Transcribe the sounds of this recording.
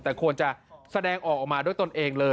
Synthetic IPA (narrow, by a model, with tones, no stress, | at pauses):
t̪ɛː˨˩kʰu˧ənt͡ɕa˨˩sa˧dɛː˧ŋʔɔː˨˩k̚ʔɔː˨˩k̚maː˧du˥˩jt̪o˧nʔeː˧ŋlɤː˧